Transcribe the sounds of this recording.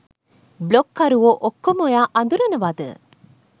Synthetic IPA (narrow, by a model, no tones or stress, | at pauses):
blokːaɾuʋoʔokːomojaːʔɐnd̪uɾenəʋad̪ə̰